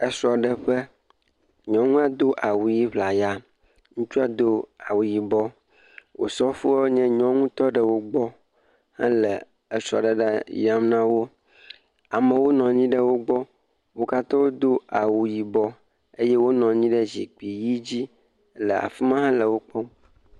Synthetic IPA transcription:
ə˦sɾɔ˨ɖə˨ɸə˦ | ɲɔ̃˦ŋũ˦a˨d̪o˦ʔa˨wu˨ji˦βla˨ja˨ | ŋũ˦t͡ʃu˦a˨d̪o˦a˨wu˨ji˨bɔ˦ | wo̰˨sɔ˦fu˦wo˦ɲɛ̃˦ɲɔ̃˦ŋũ˦t̪ɔ˦ɖə˨wo˦ɡ͡bɔ˦ | hã̰˦lə̰˨ | ə˨sɾɔ̰˨ɖə˦ɖa˦ja˨mnã˦wo˦ | a˨mə̃˨wo˦nɔ̃˨ɲĩ˦ɖə˦wo˦ɡ͡bɔ˦ | wo˦ka˦t̪ɔ̃˦wo˦d̪o˦a˨wu˨ji˨bɔ˦ | e˦jɛ˦wo˦nɔ̃˨ɲĩ˦ɖə˦zḭ˨k͡pi˨ji˦d͡ʑi˦ | lə˨a̰˨fi˦mã˦ɦã˦lə˨wo˦k͡pɔ˦

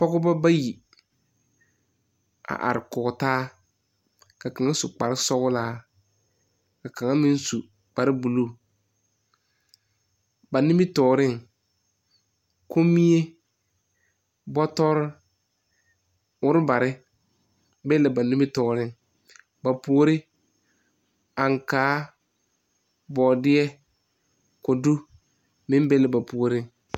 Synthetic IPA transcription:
pɔ˦ɣʊ˦ba˦ba˦ji˨ | a̰˨ʔa̰˨ɾɪ˨kʊ˨ɣʊ˨taː˦ | ka˨ka˨ŋa˦sʊ˨k͡pa˨ɾɪ˦sɔ˦ɣʊ˦laː˦ | ka˨ka˨ŋa˦mɪ˦n˦su˨ | k͡pa˨ɾɪ˦bu˨lu˦˨ | ba˨nɪ˦mɪ˦tɔː˨ɾɪ˦ŋ | kʰo˦mi˦e˦ | bɔ˦tɔ˦ɾɪ˦ | ʊ˦ɾɪ˦ba˨ɾɪ˦ | be˦lɪ˨ba˨nɪ̃˦mɪ˦tɔː˨ɾɪ˦ŋ | ba˨pu˨o˦ɾɪ˦ | a˨ŋ˨kaː˨˦ | bɔː˨dɪ˦ɛ˦ | kʊ˨du˦ | mɪ̃˦m˦be˦lɪ˨ba˨pu˨o˨ɾɪ˦ŋ

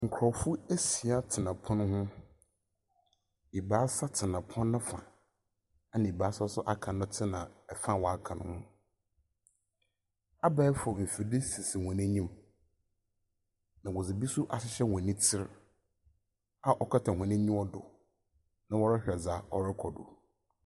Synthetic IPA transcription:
ŋ̩˨kʰʊ˨ɾɔ˨fʊ˦e˦si˨a˦tʰɪ˨nã˨pʰʊ̃˦nʊ̃˦hʊ̃˦ | i˨baː˨˦sa˦tʰɪ˨nã˨pʰɔ̃˦nː˦ã˦fã̰˨ | a˨nã˨i˨ba˨˦sa˦sʊ˦ʔa˦kʰã˨nʊ̃˦tʰɪ˦nã˨ɛ˨fã˦˨wɔ˨a˦˨kʰã˨nʊ̰̃˦hʊ̃˦ | a˦ba˦ɛ˦fɔ˨m̩˨fi˨dɪ˦si˨sɪ˨wɔ̃˨næ̃˦ɲĩ˦m | nã˨wɔ˨d͡zɪ˨bi˦sʊ˦ʔa˨ɕɪ˦ɕɛ˦wɔ̃˨nĩ˦tʰɪ˦ɾ | a˨ʔɔ˨kʰa˦tʰã˨hʷɔ̃˨nɛ̃˦ɲĩ˦ɔ˦dʊ˨ | nã˦wɔ˦ɾɪ˦hɾɛ˨d͡zaː˨˦ɔ˦ɾɪ˦kʰɔ˨dʊ̰˨

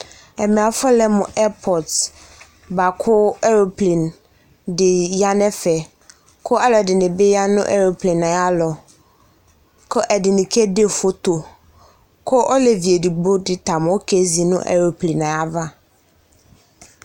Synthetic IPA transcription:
ɛ˨mɛ̃˨a˨fɔ˦lɛ˦mʊ̃˨ʔɛ˦pʰɔ˨t | ba˨kʰʊ˦ɛ˦ɾo˨plĩ˨n | dɪ˨ja˦nɛ̃˦fɛ˨ | kʰʊ˦a˦lɔ˨dɪ˨nɪ̃˨be˦ja˦nʊ̰̃˦ʔɛ̰˦ɾo˨plĩ˨na˨a˦lɔ˨ | kʰɔ˦ʔɛ˨dɪ˨nɪ̃˨kʰɛ˦de˦fo˦t̪o˨ | kʰʊ˦ʔɔ˦lɛ˨vi˨e˨di˨ɡ͡bo˦dɪ˦tʰa˨m˨˦ɔ˦kʰe˦zi˨nʊ̰̃˦ʔɛ̰˦ɾo˨plĩ˨na˨a˦va˦

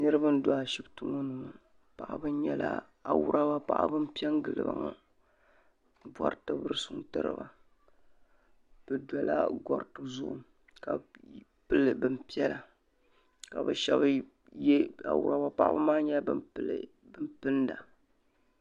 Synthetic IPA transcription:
nɨ˦ɾɨ˦ba˦n̩˦da˨a˨ʃi˦btu˦ŋo˦nɨ˨ŋo˨ | pa˨ʔa˨bɨ˦ɲ˦ɲɛ˦la̰˦ | a˨wʊ˦ɾʔa˦ba˦pa̰˨ʔa̰˦bɨ˦m˦pi˦ɛ˦ŋ˦ɡɨ˨lɨ̰˨ba̰˨ŋa˨ | bɔ˨ɾtɨ˦bɨ˦ɾɨ˦su˦n˦tɨ˦ɾɨ̰˦ba˨ | b̥ɨ˨dɔ˨la̰˦ɡɔ˨ɾtɨ˨zʊ˦ʔʊ˨ | ka˨ | pɨ˦lɨ˨bɨ˦mpi˦ɛ˦la˨ | ka˨bɨ˨ʃɛ̰˦b | jɛ˦a̰˨wṵ˨ɾa˦ba˦pa˦˨ʔa̰˦bɨ̰˦maː˦ɲɛ˦bɨ˦mpɨ˦l̰ | bɨ˦mpɨ˦n˦da˨

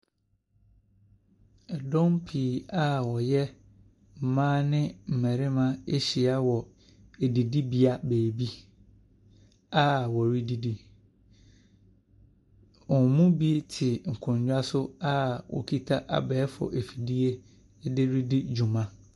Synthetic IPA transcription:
ɛ˨dɔ̃˦mpʰiː˨a˦wɔ˨jɛ˦ | m̩˨mãː˦nɪ̃˦m̩˨mɛ̃˨ɾɪ˦mã˦e˦ɕi˨a˦wɔ˨ | e˨di˨di˦bi˦a˦beː˨bi˦ | a˦wɔ˨ɾi˦di˦di˦ | ɔ˨mũ˦bi˦tʰɪ˨ŋ̩˨kʰʊ̃˨ɲ˦d͡ʑᶣa˦sʊ˦a˦wɔ̰˨kʰi˦tʰa˦ʔa̰˨bɛː˨˦fɔ̰˨ʔe˨fi˨di˦e˦ | dɪ˦ɾi˦dɪ˦d͡ʑᶣu˨mã˦

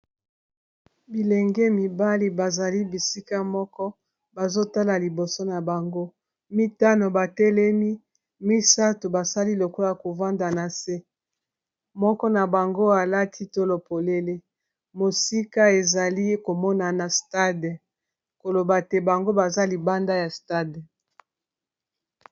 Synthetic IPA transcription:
bi˨lɛ˨ŋɡɛ˦mi˨ba˦li˨ba˨za˨li˦bi˨si˦ka˦mɔ˦kɔ˦ | ba˨zo˦ta˦la˨li˨bo˨so˦na˨ba˨ŋɡo˦ | mi˦ta˦no˨ba˨tɛ˦lɛ˦mi˦ | mi˦sa˦tu˨ba˨sa˦li˦lo˨kɔ˦la˨ko˨va˦nda˨na˨se˦ | mɔ˦kɔ˦na˨ba˨ŋɡo˦a˨la˦tʰi˦to˦lo˨po˨le˦le˦ | mo˨si˦ka˦e˨za˨li˦ko˨mɔ˦na˨na˨sta˦d | ko˨lo˨ba˨tɛ˦ba˨ŋɡo˦ba˨za˦li˨ba˦nda˦ja˨sta˦˨d

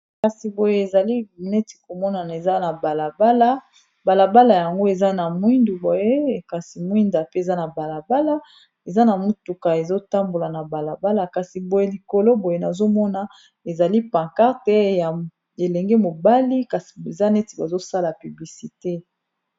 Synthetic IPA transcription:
ka˨si˨bo˨je˦e˨za˨li˦nɛ˦ti̥˨ko˨mɔ˦na˨ne˨za˦na˨ba˨la˨ba˦la˦ | ba˨la˨ba˦la˨ja˨ŋɡo˦e˨za˦na˨mwi˦ndu˨bo˨je˦˨ka˨si˨mwi˦nda˨pe˦e˨za˦na˨ba˨la˨ba˦la˦ | e˨za˦na˨mu˦tu˨ka˨e˨zo˦ta˦mbo˨la˨na˨ba˨la˨ba˦la˨ka˨si˨bo˨je˨li˨ko˨lo˦bo˨je˨na˨zo˦mɔ˦na˨ | e˨za˨li˦pã˨ŋka˦ʁtɛ˦ja˨ | e˨lɛ˨ŋɡɛ˦mo˨ba˦li˦ka˨si̥˨e˨za˦nɛ˦ti˨ba˨zo˦sa˦la˨py˨bli˨si˨te˦

